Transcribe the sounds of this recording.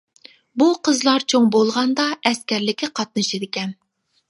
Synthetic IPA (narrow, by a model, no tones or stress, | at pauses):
buqʰəzlˠɑɾt͡ʃʰoŋbolˠʁɑnd̪ɑɛskʲɛɾlɪkʲɪqʰɑt̪̚nɨʃed̪ɪkʲɛn